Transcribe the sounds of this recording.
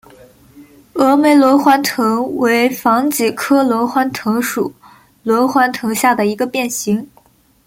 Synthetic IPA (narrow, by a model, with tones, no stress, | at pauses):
ɤ˧˥me˧˥ɪlwɔ˧˥xwa˧˥nt̪ʰɤ˧˥ŋwe˧˥ɪfɑ˧˥ŋt͡ɕi˨˩kʰɤ˥lwɔ˧˥xwa˥nt̪ʰɤ˧˥ŋʂṵ˨˩˦ | lwɔ˧˥xwa˧˥nt̪ʰɤ˧˥ŋɕja˥˩d̪ə˩i˧˥ɡə˧pjɛ˥˩nɕi˧˥ŋ